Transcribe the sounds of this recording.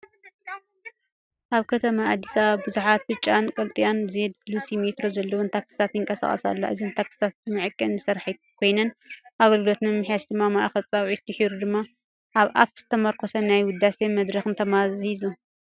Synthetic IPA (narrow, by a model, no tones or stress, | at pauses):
ʔaβkʰɐt̪ʰɐmaad̪ːisɐβaβbɨzuħat̪̚bɨt͡ʃʼːankʼɐlt̪ʼijanzed̪lusimet̪ɾo̞zɐlːɐwunt̪ʰaksɨ̥t̪ʰat̪jɪŋkʼɐsa̰χʼɐ̰sa̰lːa̰ʔɨzint̪ʰaksɨ̥t̪ʰat̪mɨʕɨkʼːɐnɨsɐɾħakʰo̞jnɐnʔaɡɐlɡlot̪nɨmɨħjaʃd̪ɨmːamaʔaxɐlʼt͡sʼɐwʕit̪̚d̪iħiɾud̪ɨmːa | ʔaβʔa̰ft̪z̥ɨt̪ʰɐmɐɾkʰʼosɐnajwʊd̪ːasemɐd̪ɾɐxɨnt̪ʰɐmazizu